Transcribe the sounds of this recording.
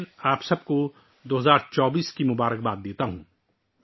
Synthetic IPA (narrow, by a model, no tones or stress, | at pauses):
naːpsɐb̚ko | d̪oːɦɐzaːɾt͡ʃɔːbiːskimʊbaːɾək̚baːd̪̚d̪eːt̪aɦũː